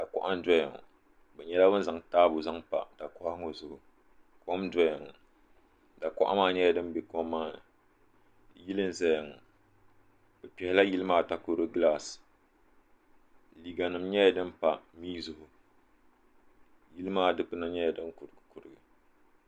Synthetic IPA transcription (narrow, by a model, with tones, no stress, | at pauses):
d̥a˨kɔ̰˦ʔa˦n˦dɔ˦ja˨ŋɔ̰˨ | bɛ˨ɲɛ˦la˦bɨ˦n˦za˨ŋtaː˦bʊ˨za˦ŋpa̰˨d̥a˨kɔ˦ʔa˦ŋo˨zʊ˨hʊ˨ | ko˦mdɔ˦ja˨ŋɔ˨ | da˨kɔ̰˦ʔa̰˦maː˦˨ɲɛ˦ja˦dɨ˦m˦bɛ˨kɔ˦m˦mːaː˦nɨ˨ | ji˦lɨ˦n˨zɛ˦ja˨ŋɔ˨ | bɛ˨pɛ˨hɪ˨˦la˦ji˦lɨ˦maː˦˨ta˦ko˨ɾɨ˦ɡlaː˦s | li˨ɡa˨nɨ˨m˦ɲɛ˦ja˨dɨ˦m˦pa˨miː˦zʊ˨hʊ˨ | ji˦lɨ˦maː˦˨dɨ˦pɨ˦na˦ɲɛ˦ja˨dɨ˦nkʊ˨ɾɨ˨ɡɨ˨kʊ˨ɾɨ˨ɡɨ˨